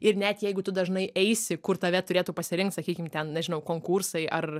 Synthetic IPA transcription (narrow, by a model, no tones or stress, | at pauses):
ɪrnʲɛt̪jɛɪɡʊt̪ʊd̪ɐʒnɐɪʔɛɪsʲɪkʊrt̪ɐʋʲɛt̪ʊɾʲeːt̪uːpɐsʲɪɾʲɪŋkt̪sɐkʲiːkʲɪmt̪ʲɛnnʲɛʒʲɪnɐʊkoːŋkuːrsɐɪʔɐr